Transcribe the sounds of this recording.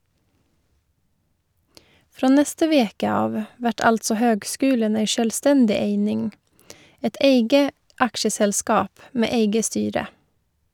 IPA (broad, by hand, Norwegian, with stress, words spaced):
ˈfɾoː ˈnɛstə ˈʋeːkə ˈɑːʋ ˈʋæʈ ˈɑltsɔ ˈhøːɡˌskʉːlən ˈeɪ ʃœlˈstɛndɪ ˈeɪnɪŋ ˈɛt ˈeɪɡə ˈɑkʃəsɛlˌskɑːp ˈmeː ˈeɪɡə ˈstyːɾə